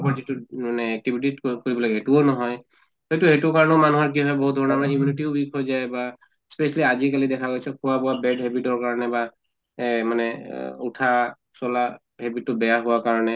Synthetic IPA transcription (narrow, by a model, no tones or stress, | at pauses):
pɔzituanɛɛk̚tibʱititkoɹibɔlaɡɛɦetuonɔɦɔj | hejtuhetukaɹɔnɔʊmanuɦɔɹk̬iɦɔjboɦut̚dʱɔɔnamanɛiminitiʊbʱikojzajba | spɛsaliazikalidɛkʰaɡojsɛkʰʊabɔwabɛdɦɛbitɔɹkaɹɔnɛba | manɛutʰa | sɔla | hɛbitːʊbɛjaɦʊwakaɹɔnɛ